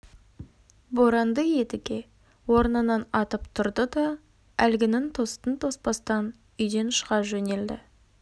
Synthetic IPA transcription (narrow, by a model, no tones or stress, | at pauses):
bo̞ɾɑnd̪əje̞t̪ɪɡʲe̞ | wo̞ɾnənɑnɑt̪əpt̪ʰʊɾd̪əd̪ɑ | ælɡʲɪnɪŋt̪ʰo̞st̪ənt̪ʰo̞spɑst̪ɑn | ʏjd̪e̞nʃəʁɑʒɵne̞ld̪ɪ̰